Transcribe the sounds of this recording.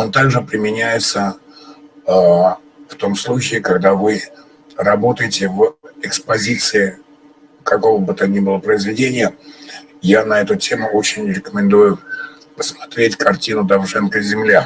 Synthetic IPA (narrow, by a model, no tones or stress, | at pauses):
o̞nt̪aɡʐɨpɾʲɪmʲɪnʲæjɪt̪sə | ft̪o̞mslˠut͡ɕɪːkɐɡd̪avɨ | rɐbo̞t̪əjɪtʲɪvɪkspɐzʲit̪sɨɪ | kɐko̞vəbɨt̪anʲibɨlˠəpɾəɪzvʲɪdʲenʲɪjə | janɐɛt̪ʊtʲe̞mʊʔo̞t͡ɕɪnʲɾʲɪkəmʲɪnd̪ujʊ | pəsmɐt̪ɾʲetʲkɐrtʲinʊd̪ɐvʐɛnkəzʲɪmlʲa